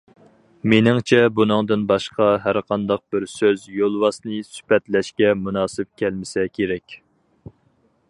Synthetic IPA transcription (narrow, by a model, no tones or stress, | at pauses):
menɪŋt͡ʃʰɛbunɨŋd̪ɨnbɑʃqɑɦæɾqʰɑnd̪ɑq̚bɪɾsøzjolˠwɑsnɨsy̥pɛt̪lɛʃkʲɛmunɑːsɪp̚kʲʰælmɪsɛkʲʰeɾɛkʲ